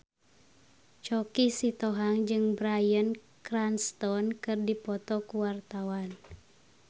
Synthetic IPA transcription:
t͡ʃɔkisit̪ɔɦaŋd͡ʒɨŋbɾajən | kranst̪ɔnkɨrdipɔt̪ɔkuwart̪awan

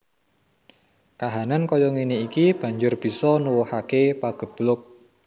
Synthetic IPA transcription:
kaɦanankɔjɔŋiniikib̥a̤ɲd͡ʒʊrb̥i̤sɔnuwuhakepaɡ̥ə̤b̥lʊk̚

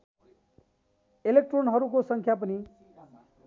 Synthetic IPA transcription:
elek̚ʈronɦʌɾukosʌŋkʰjap̬ʌni

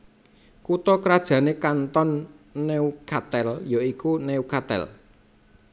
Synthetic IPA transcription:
kut̪ɔkɾad̥ʒ̥ä̤nekant̪ɔnːeukat̪ɛljoikuneukat̪ɛ̰l

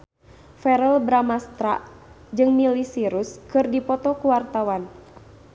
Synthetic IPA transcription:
fɛɾɛlbɾamast̪ɾa̰ʔ | d͡ʒɨŋmilisiɾuskɨrdipɔt̪ɔkuwart̪awan

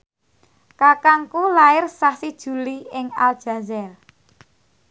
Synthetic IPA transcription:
kakaŋkulaɪrsahsid̥ʒ̥ṳliɪŋa̰ld̥ʒ̥a̤zɛr

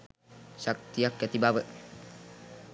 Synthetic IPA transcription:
sak̚t̪iakjat̪ibabəʔ

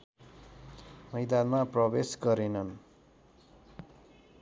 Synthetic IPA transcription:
mʌjd̪anmaprʌbesɡʌɾenʌn

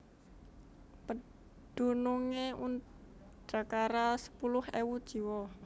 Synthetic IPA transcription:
pə | ɖ̪̥ṳnuŋeun | d̥a̤kaɾasə̥pulʊhewud̥ʒ̥i̤wɔ

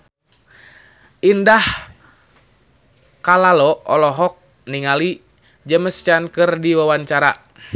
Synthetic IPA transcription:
indah | kalalɔɔlɔɦɔk̚ | niŋali | d͡ʒəməst͡ʃankɨrdiwawanɲt͡ʃaɾa

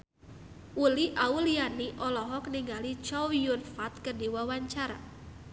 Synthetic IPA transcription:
ʔuliʔaulianiʔɔlɔɦɔkniŋɡalit͡ʃɔwiunfat̪̚kərdiwawaɲt͡ʃaɾa

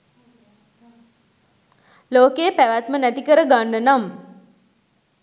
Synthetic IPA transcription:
loːkepæʋat̪mənæt̪ikəɾəɡanːənam

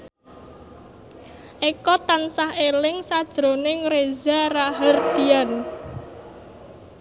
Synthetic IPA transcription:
ʔekɔt̪ansahelɪŋsad̥ʒ̥ɾonɪŋɾezaraɦərd̪̥ian

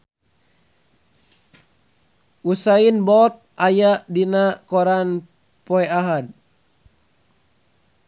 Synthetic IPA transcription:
ʔusainbɔt̪̚ʔajaʔdinakɔɾan | pɔɛaɦad̚

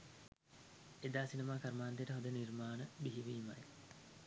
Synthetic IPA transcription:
ed̪aːsinɐmaːkɐɾmaːnd̪ejʈəɦod̪ənirmaːnəbiɦiʋiːmɐ̰e

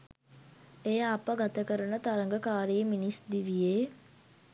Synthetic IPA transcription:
ejɐɐpəɡat̪əkəɾɐnət̪aɾɐŋɡəkaːɾijeminisd̪iʋijeː

